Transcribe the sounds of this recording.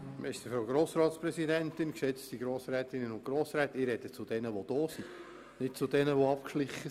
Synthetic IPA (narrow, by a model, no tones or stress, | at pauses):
mɛst̪əfɾoɡɾoːsɾɑːt̪spɾɛsidɛntɪnksɛt͡st̪iɡɾoːsɾɛːt̪ɪnənʊ̃ntɡ̥ɾoːsɾɛːt̪ɪɾɛd̥̪ət͡sʊd̥ɛnəʋod̪̥ɔːsi | nɪt̚t͡sʊd̪ɛnəʋoɑpkʃlɪχːə